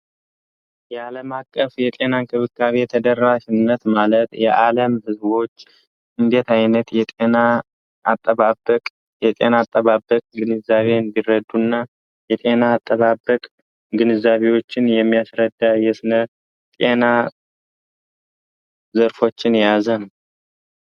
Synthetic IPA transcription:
jɛaləmakʼːəfjɛt̪ʼe̞naŋkʰɨβɨkʰːaβejt̪ʰəd̪ərːaʃɪnːət̪malət̪jɛʔaləmhɨzbo̞t͡ʃː | ʔɨnd̪e̞t̪ajnət̪jɛt̪ʼenaː | t̪ʼːəβaəkʼ | jɛt̪ʼe̞naːt̪ʼːəβabːəkʼɡɨnɨzaβe̞nd̪irəd̪ːunːa | jɛt̪ʼe̞naːt̪ʼːəβabəkʼ | ɡɨnɨzːaβe̞wo̞t͡ʃːɪnjɛmːijasɾəd̪ːajɛsɨnə | t̪ʼe̞na | zəɾfo̞t͡ʃːɪnjazənəw

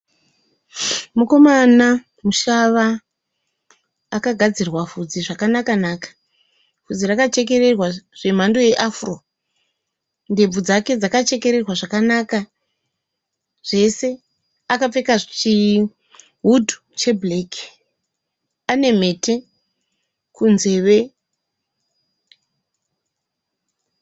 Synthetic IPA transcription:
muko̞mana | muʃaʋa | kaɡʱad͡zirwavud͡ziʐakanakanaːkḁ | vud͡zirakat͡ʃe̞ke̞re̞rwaʐ̥e̞m̤ando̞je̞ʔafuro̞ | nde̞b͡vud͡zake̞d͡zakat͡ʃe̞ke̞ɾe̞rwaʐakanaka | ʐ̥e̞se̞ | akap͡fe̞kaʐt͡ʃi | ɦudʱu̥ | t͡ʃe̞bleki̥ | ane̞me̞tʰe | kunze̞ːʋe̞

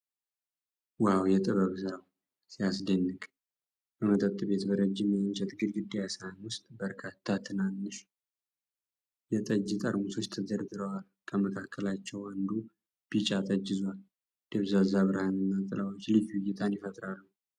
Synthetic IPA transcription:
wawjɛt̪ʼɨβəβsɨɾaw | sijasd̪ənːɨkʼ | bəmət̪ʼət̪ʼːɨβe̞t̪bəɾəd͡ʒːɪmɛnt͡ʃɛt̪ɡɨd̪ɡɨd̪ːijasɾanwʊst̪ʼbəɾkʰat̪ʰːat̪ʰɨnanːəʃ | jɛt̪ʼəd͡ʒːit̪ʼə̰ɾmuso̞t͡ʃːt̪ʰəd̪əɾd̪ɨɾəwal | kʰəməkʰakʰːəlat͡ʃːɛwənd̪u | b̥it͡ʃʼat̪ʰʼəd͡ʒːɪzal | d̪̥eβzazaβɨɾhanɨnːat̪ʼɨlawo̞t͡ʃːlɨd͡ʒɨjːɪt̪ʰanjɪfət̪ʼɾalːəw

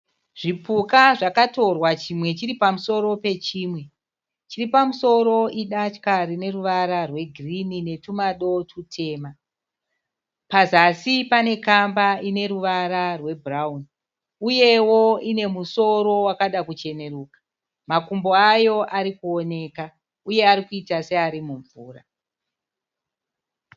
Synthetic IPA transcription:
ʐ̥ipukaʐakato̞rwat͡ʃimwe̞t͡ʃiripamuso̞ɾo̞pe̞t͡ʃiːmwe̞ | t͡ʃiripamuso̞ɾo̞iɗat͡ʃkaɾine̞ruʋaɾarwe̞ɡʱrinine̞tumaɗo̞tʰutʰe̞ːma | pazasipane̞kambaine̞ɾuʋaɾarwe̞bʱraun | uje̞wo̞ine̞muso̞ɾo̞wakaɗakut͡ʃe̞ne̞ɾuːkḁ | makumbo̞ajo̞ʔaɾikuo̞ne̞ːka | uje̞aɾikuitase̞aɾimuɱvuːra

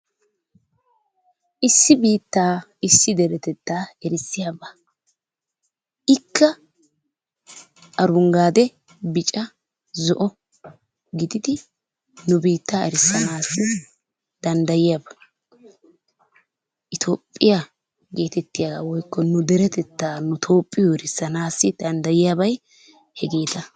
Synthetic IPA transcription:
ʔɪsːɪbiːt̪ːaːɪsːɪd̪ɛɾɛt̪ɛt̪ːaːɛɾɪsːɪjaba | ʔɪkːɐ | ʔɐɾʊŋɡaːd̪ɛ | bɪt͡ʃʼɐ | zɔʔɔ | ɡɪd̪ɪd̪ɪ | nʊbiːt̪ːaɛɾɪsːɐnaːsːɪ | d̪̥ɐnd̪ɐjɪjaːbɐ | ʔɪt̪ʰoːpʼːɪja | ɡe̞ːt̪ɛt̪ːɪjaɡa̰wɔjkːɔnʊd̪ɛɾɛt̪ɛt̪ːaːnʊt̪ʰo̞ːpʼːɪjɔɛɾɪsːɐnaːsːɪd̪̥ɐnd̪ɐjɪjaːbɐj | hɛɡeːt̪ɐ

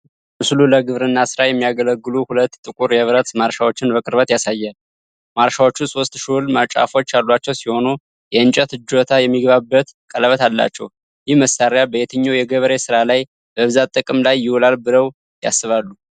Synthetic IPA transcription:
mɨsluləɡɨβɾɨnːasɨɾajɛmːijaɡələɡːɨluhulət̪ːt̪ʼːɨkʼuɾjɛβɾət̪maɾʃawo̞t͡ʃːɪnbəkʼɨɾβət̪jasajːal | maɾʃawo̞t͡ʃːuso̞st̪ʼʃulmat͡ʃʼa̰fo̞t͡ʃːalːwat͡ʃːɛwsiho̞nu | jɛɨnt͡ʃʼət̪ɨd͡ʒːot̪ʰajɛmːiɡβabːət̪kʼələβət̪ʰalːa̰t͡ʃːɛ̰w | jɪhməsːaɾjabəjet̪ʰəɲːowjɛɡəβɾesɨɾalaj | bəβɨzat̪ʼɨkʼɨmlajːɪwulalbɨləw | ja̰sːɨβalːu

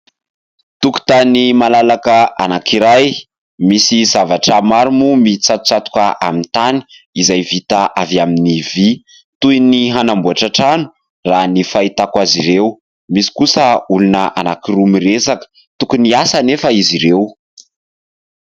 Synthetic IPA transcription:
t̪uku̥t̪animalalakəʔa̰nakʰiɾaj | misizavaʈ͡ʂəmaɾimumit͡sat̪u̥t͡sat̪u̥kaʔamint̪ani̥ | izajvit̪aʔavaminivi | t̪ujniɦanambuaʈ͡ʂaʈ͡ʂanu̥ | ranifait̪akwaziɾew | misi̥kusəulunəʔa̰nakirumiɾesakə̥ | t̪ukuniasanefəiziɾew

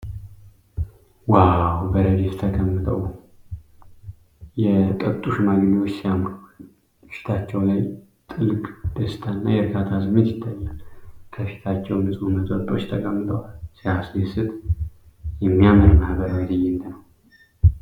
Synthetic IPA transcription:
wawbəɾədet̪t̪ʰəkʼəmːɨt̪ʰʼəw | jɛt̪ʼət̪ʼːuʃmaɡniwot͡ʃːsijamɾ | fi̥t̪ʰat͡ʃːɛwlaj | t̪ʼɨlɨkʼd̪̥əsɨ̥t̪ʰanːajɛɾɨɡat̪ʰazɨmɨnɪd̪ːalːəmkʰəfi̥t̪ʰat͡ʃːɛwmɨsʼuməzʼət̪ʼo̞t͡ʃːt̪ʰəkʼəmːɨt̪ʼəwalsiaslesɨt̪ʼ | jɛmːijaməɾmahbəɾawzɨjend̪ənəw

